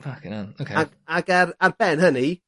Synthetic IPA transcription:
fakʰɪnanokʰea | aɡararbɛnhəni

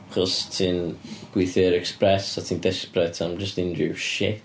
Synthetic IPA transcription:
χɔstʰɪnɡ̥wiθɛːɹɛkspɹɛsaɪθɪ̃ŋk̚ðɪspɹɛtʰãɪ̃md͡ʒʌstɪ̃ndʉʃɪ

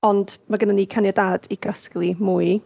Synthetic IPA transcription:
ɔndmaɡənaniːkʰanjɔdaːd̥ikʰasklˠimuj

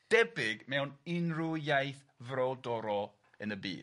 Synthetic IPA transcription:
d̥ɛbɪɡmɛwnɪnrʊjajθ | vrɔdɔɾɔ | ənəbḭː

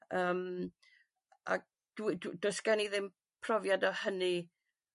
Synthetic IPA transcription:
əːm | ʔa̰ɡ̚ | d̥widd̥ʊsɡ̥aniðɪm | pʰrɔvjadahəni

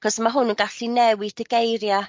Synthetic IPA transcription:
kɔsmaɦʊnənɡaɬinɛwɪdəɡejɾja

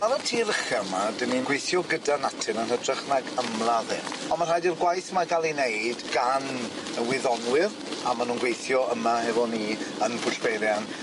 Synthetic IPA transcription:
maɾatʰiːɾəχamadəninɡwejθjɔɡədanatʰɪnənhədrɪχnaɡəmlˠaðɪrɔnmar̥ajdirɡwajθmaɡalˠineɨdɡan | wɪðɔnwɪr | amanuːnɡwejθjɔəmahɛvɔniːənpʰʊɬb̥eɾjan

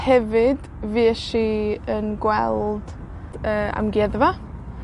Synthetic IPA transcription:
hɛvɪd̥ | viːɛʃiənɡwɛlˠd̥ | əːa̰mɡɛðva

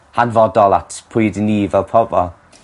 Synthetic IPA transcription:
hanvɔdɔlˠa̰tʰpʰʊjdəniːvɛlˠpʰɔbɔlˠ

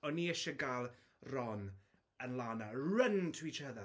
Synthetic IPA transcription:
ɔniɛʃɛɡalˠ | rɔn | ənlˠaːnaɹəntʰwit͡ʃʰəða

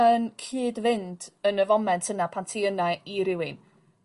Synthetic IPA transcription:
ənkʰiːdvɪndənəvɔmɛntʰənapʰantʰiənaiɾɪwɪn

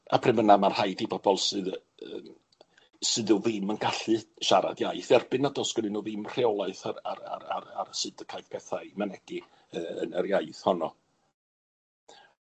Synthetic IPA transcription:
a̰pʰrɪmənamar̥hajdibɔbɔlˠsɨð | əːm | sɨðuðɪmənɡaɬɨʃaɾa̰djaɨθɛrbɨnadɔsɡ̥ɔnɨnuðɨmr̥eɔlˠaɨθaɾaɾa̰a̰ɾa̰ɾsɨdəkʰajvpʰɛθaɨmanɛɡ̥ɨ | əə̰nəɾjajθhɔnɔ

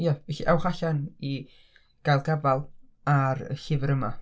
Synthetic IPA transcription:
jɛvɛɬiʔawχaɬani | ɡ̥ajlˠɡabalˠ | aɾə̰xɪvəɾəma̰

